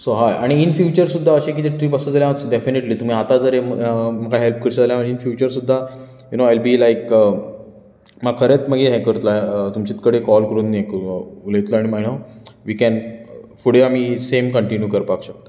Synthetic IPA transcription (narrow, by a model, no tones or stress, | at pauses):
soɦajaɽ̃iːnfjut͡ɕəɾsud̪ʱːaəɕẽk̬it̪eʈɾiːbəsəd͡zaljãʋɖefineʈliːt̪um̤iːat̪ad͡zəɾeəməkʰaɦelp̚kəɾit͡ɕad͡zaljaməɳ̃iinfjut͡ɕəɾsud̪ʱːa | junoajlbiːlajkə | məkʰəɾet̪məɡeɦɛ̃kəɾut̪laeət̪umt͡ɕit̪kəɽekɔlkəɾuːnːekulet̪ləaɽ̃imaɦiɳawʋiːkɛnfuɽ̤eam̤iːsemkəɳʈinjuːkəɾpakɕək̚t̪ə̥